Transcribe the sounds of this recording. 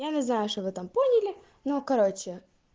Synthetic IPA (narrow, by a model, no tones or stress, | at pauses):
janʲɪznajʊʂt̪ovɨt̪amponʲɪlʲɪ | nokɐɾo̞t͡ɕːɪ